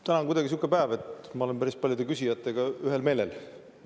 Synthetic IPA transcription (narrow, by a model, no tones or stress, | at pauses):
t̪ænɑkujd̪ɑɡis̬ukːˑepæːvet̪mɑo̞le̞npæɾispɑljod̪e̞kysʲijɑt̪ˑːeɡ̥ɑyɦe̞lme̞ːle̞̰l